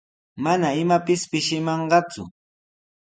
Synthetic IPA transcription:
manaɪmapɪspɪʃɪmɑɴɢɑt͡sʊ̰

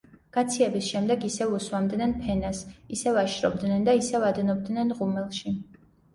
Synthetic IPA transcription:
ɡ̥at̪sʰiɛbisʃɛmd̪ɛɡisɛuswamd̪nɛnpʰɛnasisɛvaʃɾɔ̰bd̪nɛnd̪aisɛvad̪ɛnɔb̚d̪nɛnʁumɛlˠʃi

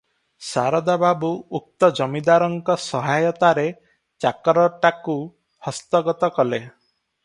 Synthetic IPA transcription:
sa̰ɾɔd̪ababuːk̚t̪ɔd͡ʒɔmid̪aɾɔŋkɔsɔɦajɔt̪aɾe | t͡ʃakɔɾɔʈaku | hɔst̪ɔɡɔt̪ɔkɔle

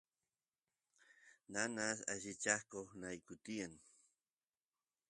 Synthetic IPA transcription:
nanasa̰ʃit͡ʃahkoχnajkʊt̪ijan

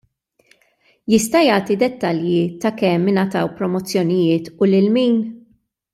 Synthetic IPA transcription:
jɪst̪ɐjɐːt̪id̪ɛt̪ːɐljit̪ɐkɛmːɪnɐt̪ɐwpɾɔmɔt͡sːjɔnɪjɪːt̪ʊlɪlmiːn

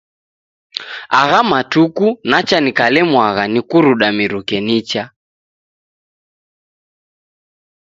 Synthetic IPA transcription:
aɣamatukunat͡ʃanikalɛmwaɣanikuɾuɗamiɾukɛnit͡ʃa

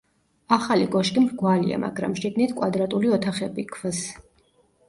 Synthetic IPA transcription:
aχaliɡɔʃk̪ʼimɡwalḭa̰ma̰ɡɾa̰mʃiɡnit̪ʰkʼwad̪ɾat̪ʼuliɔt̪ʰaχɛbikʰvs

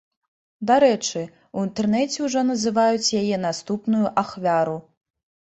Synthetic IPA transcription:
d̪aɾɛt͡ʂɨ | uint̪ɛrnɛt͡sʲɛuʐɔnɐzɨvajut͡sʲjajɛn̪ast̪upnujuʔaxvʲaɾu

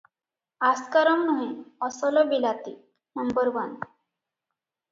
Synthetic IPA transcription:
askaɾəmnuɦẽɔsɔlɔbilat̪i | nəmbəɾʋan

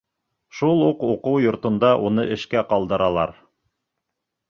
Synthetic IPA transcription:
ʃulˠuquqɤwjŏɾt̪ŏnd̪ɑʔunɤʔɘ̆ʃkæqɑlˠd̪ɤ̆ɾɑlˠɑ̰ɾ

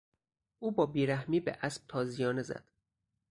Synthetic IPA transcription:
ʔuːbɒːbiːɾæhmiːbḛʔæsb̥̚t̪ʰɒːzijɒːnezæ̰d̪̥

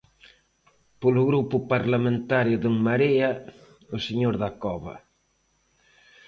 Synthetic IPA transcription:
polʊɣɾupʊpaɾlamẽnt̪aɾjʊðuŋmaɾeɐ | ʊseɲoɾðakɔβɐ̰

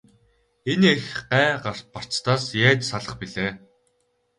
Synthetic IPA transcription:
eniexɢæːɢar̥t̪̚par̥t͡st̪aːsjæːt͡ɕsaɮə̆χpiɮeː

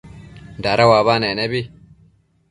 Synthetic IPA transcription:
daɾawaːβanenebi

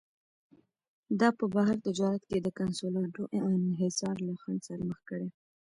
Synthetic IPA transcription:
d̪ɑpəbaɦaɾt̪ɪd͡ʒɑɾat̪ked̪əkansolɑɖoʔeɪnɦɪsɑɾlaxansaɾaməxkəɽe

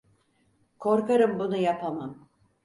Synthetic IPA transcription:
kʰo̞ɾkaɾɯmbunujapʰamam

